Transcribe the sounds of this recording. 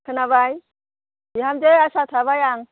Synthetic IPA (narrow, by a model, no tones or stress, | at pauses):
kʰɯnabaj | iɦamd͡ʒejasat̪ʰaβajaŋ